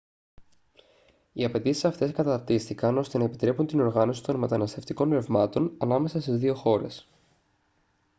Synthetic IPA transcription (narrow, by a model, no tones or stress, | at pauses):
iɐpe̞t̪isi̥sɐft̪e̞skɐt̪ɐɾt̪ist̪ikɐno̞st̪e̞nɐepit̪ɾe̞punt̪ino̞ɾɣɐno̞si̥t̪o̞nme̞t̪ɐnɐst̪e̞ft̪iko̞nɾe̞vmɐt̪o̞nɐnɐme̞sɐst̪izðio̞xo̞ɾe̞̰s